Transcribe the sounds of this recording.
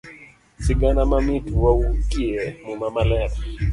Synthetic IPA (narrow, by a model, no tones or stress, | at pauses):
siɡanamamituwaukiɛmumamalɛɾɛ